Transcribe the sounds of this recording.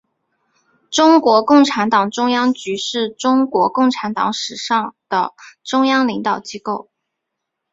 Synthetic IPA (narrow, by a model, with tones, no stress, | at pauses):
ʈ͡ʂʊ˥ŋkwɔ˧˥kʊ˥˩ŋʈ͡ʂʰa˧˥nt̪ɑ˨˩ŋʈ͡ʂʊ˥ŋjɑ˥ŋt͡ɕy˧˥ʂɻ̩˥˩ʈ͡ʂʊ˥ŋkwɔ˧˥kʊ˥˩ŋʈ͡ʂʰa˧˥nt̪ɑ̰˧˥ŋʂɻ̩˨˩ʂɑ˥˩ŋd̪̥ə˩ʈ͡ʂʊ˥ŋjɑ˥ŋli˧˥ŋt̪ɑ˨˩ʊt͡ɕi˥ko˥˩ʊ